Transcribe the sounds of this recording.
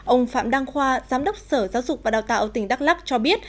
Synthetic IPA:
ʔə˧wŋ͡mfa̰ː˧˨mɗaː˧ŋxwaː˧zaː˨˦mɗə˦˥wk͡p̚səː˧˩zaː˨˦wzʊ˨˩k͡p̚vaː˨˩ɗaː˨˩wt̪a̰ː˧˨ʔːt̪ï˧˩ŋ̟ɗa˦˥k̚laː˦˥k̚t͡ɕɔ˧ɓi˦˥ət̚

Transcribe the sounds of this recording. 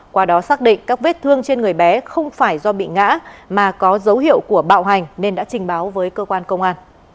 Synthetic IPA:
kwaː˧ɗɔ˨˦saː˦˥k̚ɗḭ˧˨ŋ̟kaː˦˥k̚ve˦˥t̚t̪ʰɨ˧əŋt͡ɕe˧nŋɨ˨˩əjɓɛ˨˦xə˧wŋ͡mfaː˧˩jzɔ˧ɓḭ˧˨ŋa̰ː˧˥maː˨˩kɔ˨˦zə˨˦wɦḭ˧˨əwku˧˩əɓa̰ː˧˨wɦa˨˩jŋ̟ne˧nɗa̰ː˧˥t͡ɕï˨˩ŋ̟ɓaː˨˦wvəː˨˦jkəː˧kwaː˧nkə˧wŋ͡mʔaː˧n

